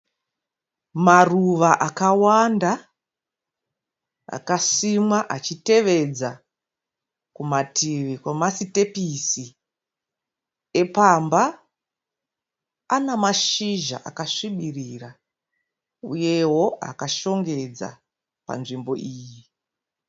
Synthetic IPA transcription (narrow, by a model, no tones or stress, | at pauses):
maruʋaʔakawanda | a̰kasimwaʔat͡ʃite̞ʋe̞d͡za | kumatiʋikwamasite̞pisi | e̞pamba | namaʃiʒa̰ʔa̰kaʂiɓiriːra | ṵje̞wo̞a̰kaʃo̞ŋɡe̞d͡za̰ | pa̰nʐimbo̞ʔiːji